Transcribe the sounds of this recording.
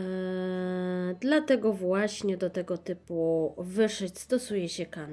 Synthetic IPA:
d̪lat̪ɛɡɔvwaɕɲɛd̪ɔt̪ɛɡɔt̪ɘpuvɘʂɘt͡ɕst̪ɔsujɛɕɛkan

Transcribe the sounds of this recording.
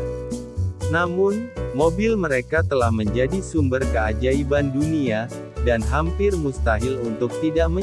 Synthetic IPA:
namʊnmobɪlməɾekat̪əlahməɲd͡ʒadisumbərkəad͡ʒaibandunia | danɦampɪrmust̪aɦɪlunt̪ʊk̚t̪idaʔ̚mə

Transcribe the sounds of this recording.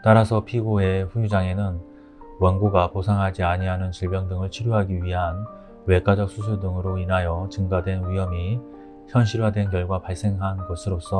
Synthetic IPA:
t͈aɾasʰʌpʰiɡoe̞ɸujud͡ʑaŋe̞nɯn | wʌnɡoɡaposʰaŋɦad͡ʑiaɲiɦanɯnt͡ɕiɭbjʌŋdɯŋɯɭt͡ɕʰiɾjoɦaɡiɥiɦan | we̞k͈ad͡ʑʌk̚s͈ʰusʰuɭdɯŋɯɾoinajʌt͡ɕɯŋɡadwe̞nwijʌmi | çjʌnɕʰiɾwadwe̞nkjʌɭɡwapaɭs͈e̞ŋɦanɡosʰɯɾos͈ʌ

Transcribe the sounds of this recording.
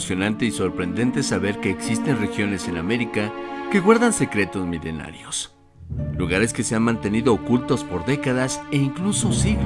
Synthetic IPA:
sjo̞nant̪e̞iso̞ɾpɾe̞nd̪e̞nt̪e̞saβe̞ɾke̞ːksist̪e̞nre̞xjo̞ne̞se̞name̞ɾikake̞ɣwaɾðanse̞kɾe̞t̪o̞zmile̞̰na̰ɾjos | luɣaɾe̞ske̞se̞anmãnt̪e̞niðo̞ːkult̪o̞spo̞ɾðe̞kaðaseiŋkluso̞siɣ

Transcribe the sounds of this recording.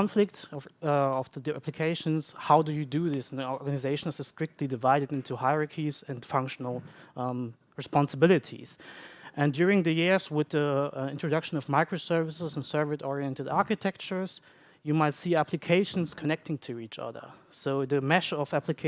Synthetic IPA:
nflɪk̚tʌvʌvðədæ̰pʰlɨkʰeɪʃə̃nshaʊdɨjɨdɨðɪsnɔɹɹɡanɨzeɪʃnsɨstɹ̥ɪk̚tʰˡlidɨvaɪɾɨdɪ̃ntʰuhaɪɹəkʰizɨ̃ndfʌ̃ŋkʃn̩l̩ˠ | ɹɨspɑ̃nsəbɪlˠɨtʰḭz̥ʔɨ̃ndjʊɹɪ̃ŋðɨjɪɹzwɪðiɪ̃ntɹ̥ɨdʌkʃə̃n̩ʌvmaɪkɹosɜ˞vɨsəzə̃n̩sɜ˞vətɔɹiɛ̃ntɨdaɹkɨtʰɛk̚t͡ʃə˞z̥ | jɨmaɪtsiːæpʰlɨkʰeɪʃn̩skʰɨnɛk̚tʰɪ̃ŋtʰuit͡ʃʌ̰ðə̰˞soʊðɨmɛʃʌvæpʰlɨkʰ

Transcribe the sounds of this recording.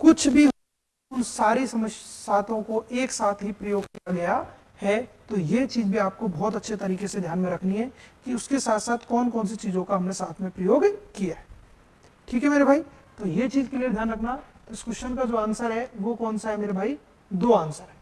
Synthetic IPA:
kʊt͡ʃʰbʱi | ʊnsaːɾisɐməssaːt̪õkoʔeːksaːt̪ʰɦipɾɐjoːɡkijaɡɐja | hɛt̪ojet͡ʃiːzbʱiaːp̚kobɔːt̪ɐtːʃʰet̪ɐɾiːkesed̪ʱjaːnmẽɾɐkʰniɦɛkiʊskesaːt̪saːt̪ʰkɔːnkɔːnsit͡ʃiːzõkaɦɐmnesaːt̪ʰmẽpɾɐjoːɡkijaɦɛ | ʈʰiːkɦɛmeːɾebʱaːit̪ojet͡ʃiːzkelied̪ʱjaːnɾɐkʰnat̪oɪskʊʃənkad͡ʒoːaːnsəɾɦɛʋokɔːnsaɦɛmeːɾebʱaːi | d̪oːaːnsəɾɦɛ̃ː

